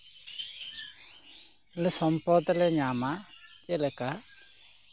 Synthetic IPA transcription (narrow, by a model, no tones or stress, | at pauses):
lɛsɔmpɔd̪lɛɲamat͡ʃɛlɛka